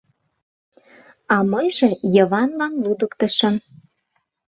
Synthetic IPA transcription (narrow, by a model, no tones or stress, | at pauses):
ɑmɤjʒĕjɤ̆βɑnlɑnlud̪əkt̪ɤ̆ʃɤ̆n